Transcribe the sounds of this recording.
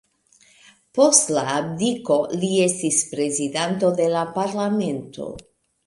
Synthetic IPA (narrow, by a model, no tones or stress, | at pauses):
po̞stlaːp̚diko̞lie̞stispɾe̞zidanto̞d̪e̞lapaɾlame̞nto̞̰